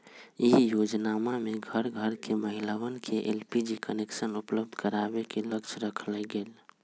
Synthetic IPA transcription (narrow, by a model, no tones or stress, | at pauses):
ijod͡ʒnamameɡʱəɾɡʱəɾkeməɦilawənkʰeʔelpid͡ʒikəneksənupləb̚d̪ʱkəɾabekeləkt͡ʃʰɾəkʰlɛɡeːl